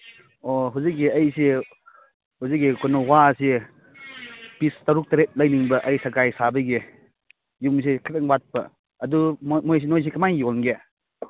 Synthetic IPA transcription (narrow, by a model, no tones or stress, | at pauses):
oɦuzik̚ːiɐjsi | huzik̚ːikʰonɔwase | pistaɾuk̚tɐɾet̚lɐjniŋbɐʔɐjsakajsabɐɡi | jums̬ikʰataŋbat̚pɐː | dumojs̬inojs̬ikɐmajjonɡe